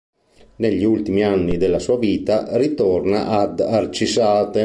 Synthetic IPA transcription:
neʎːiult̪imianːid̪elːasuːaviːt̪arit̪ɔrnaʔad̪art͡ʃisaːt̪e

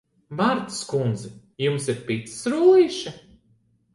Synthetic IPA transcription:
vaɾt̪skund̪zɛ | jumsiɾpit̪ssɾujiʃa

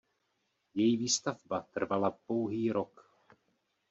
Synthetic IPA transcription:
jɛjiviːst̪avbat̪r̩valapo̞wɦiːɾok

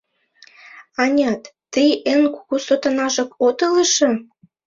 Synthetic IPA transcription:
ɑnʲɑt̪ːijʔenkuɣusot̪ɑnɑʒɤ̆kot̪ɤləʃɤ̆

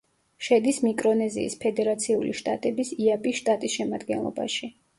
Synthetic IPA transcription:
ʃɛd̪ismikʼɾɔnɛzḭːspʰɛd̪ɛɾat̪sʰiuliʃt̪ʼa̰t̪ʼɛbisiapʼisʃt̪ʼat̪ʼisʃɛmad̪ɡɛ̰nlˠɔ̰ba̰ʃi

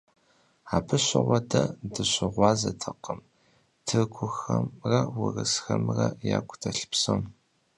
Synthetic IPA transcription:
aːbʰɨɕʷɪʁʷɔdʰɐdɨɕʷɪʁʷɑːzɐtʰɐqəm | tʰɨɡʷʰʊxɐmrɐwʊrɨsxɐmrɐja̰ːkʷʰʼtʰɐɬpsɐm

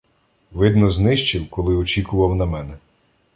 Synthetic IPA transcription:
ʋɪd̪nɔznɪʃt͡ʃɪwkɔlˠɪɔt͡ʃikʊʋɐwnɐmɛnɛ

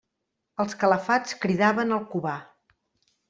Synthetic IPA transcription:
əlˠskələfat͡skɾiðaβənəlˠkuβa

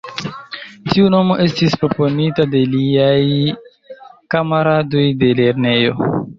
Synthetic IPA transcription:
tiuno̞mo̞ʔe̞stispɾo̞po̞nitade̞liaj | kamaɾado̞jde̞le̞ɾne̞jo̞̰

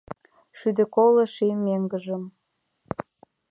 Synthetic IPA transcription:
ʃyd̪ĕkoləʃimeŋɡə̆ʒəm

